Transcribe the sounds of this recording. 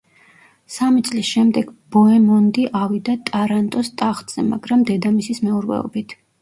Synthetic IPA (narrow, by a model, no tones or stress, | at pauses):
samit̪sʼlisʃɛmd̪ɛɡ̥b̥ɔɛmɔnd̪iʔavid̪at̪ʼaɾant̪ʼɔst̪ʼaχt̪ʼz̥ɛma̰ɡɾamd̪ɛd̪amisismɛuɾvɛ̰ɔ̰bit̪ʰ